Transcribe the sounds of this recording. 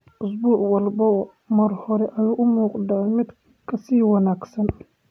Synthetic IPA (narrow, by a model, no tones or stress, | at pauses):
ʔʊsbuːʕwɑlbɐ | mɐrhɔɾɛʔɐjuːʔʊmuːqd̪aʕmɪd̪ | kʰɐsiːwɑnaːɡsɐn